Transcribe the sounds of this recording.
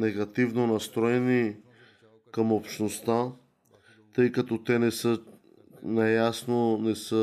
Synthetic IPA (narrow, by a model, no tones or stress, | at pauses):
nɛɡɐt̪ivnonɐst̪ɾɔɛni | kɐmopʃnost̪a | t̪ɤjkɐt̪ɔt̪ɛnɛsə | najasnonɛsə